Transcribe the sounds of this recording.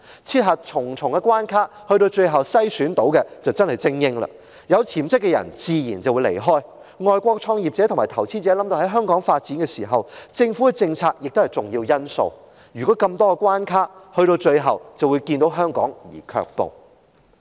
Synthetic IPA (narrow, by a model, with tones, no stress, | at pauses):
t͡sʰiː˥t̚ɦaː˨t̚t͡ʃʰʊ˨˩ŋt͡sʰʊ˨˩ŋkɛ˧kʷwaː˥nkʰaː˥hɵ˧ɥɾo˧wt͡ʃɵ˧ɥjɦɐ˨wsɐ˥jsyː˨˥nt̪o˨˥wkɛ˧t͡sɐ˨wt͡sɐ˥nhɐ˨jt͡sɪ˥ŋjɪ˥ŋlɐ̰˧ | jɐ˨˧wt͡sʰiː˨˩mt͡sɪ˥kːɛ˧jɐ̰˨˩nt͡siː˨˧jiː˨˩nt͡sɐ˨wuː˨˧jlḛ˨˩jɦɔː˥j | ŋɔː˨jkʷɔː˧k̚t͡sʰɔː˧ŋjiː˨p̚t͡sɛː˨˥t̪ʰʊ˨˩ŋmaː˨˩jt̪ʰɐ˨˩wt͡sʰiː˥t͡sɛː˨˥lɐ˨˥mt̪o˧hɐ˨˥jɦœː˥ŋkɔː˨˥ŋfaː˧t̚t͡siː˨˥nkɛ˧siː˨˩ɦɐ˨˩wt͡sɪ˧ŋfu˨˥kɛ˧t͡sɪ˧ŋt͡sʰaː˧k̚jɪ˨k̚t̪o˥hɐ˨jt͡sʊ˨˩ŋjiː˧wjɐ˥nso̰˧w | ɥyː˨kɔː˨˥kɐ˧mt̪ɔː˥kɛ˧kʷwaː˥nkʰaː˥t̚hɵ˧ɾo˧wt͡ʃɵ˧ɥɦɐ˨wt͡sɐ˨˩wu˨˧jkiː˧nt̪o˨˥wɦœː˥ŋkɔ̰ː˨˥ŋjḭː˨˩kʰœ̰ː˧k̚po̰˨˩w